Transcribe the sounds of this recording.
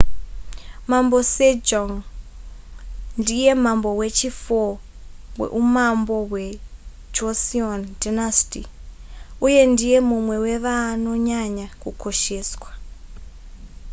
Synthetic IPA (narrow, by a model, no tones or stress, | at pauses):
mambo̞sed͡ʒoŋ | ndije̞mambo̞we̞t͡ʃifo | wḛʔumambo̞we̞ | d͡ʒosiondinasti | uje̞ndije̞mumwe̞we̞ʋaːno̞ɲaɲakukʰo̞ʃe̞ːswa